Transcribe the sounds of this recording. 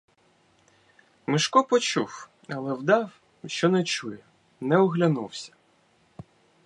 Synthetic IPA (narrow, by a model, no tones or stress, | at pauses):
mɪʃkɔpɔt͡ʃuw | ɐlˠɛwd̪ɑw | ʃt͡ʃɔnɛt͡ʃujɛ | nɛɔɦlʲɐnuwsʲɐ̥